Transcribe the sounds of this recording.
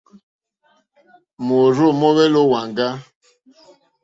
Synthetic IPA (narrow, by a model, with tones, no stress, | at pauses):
mo˨ɾo˦˨mɔ˦βɛ˦lo˦wa˨ŋɡa˦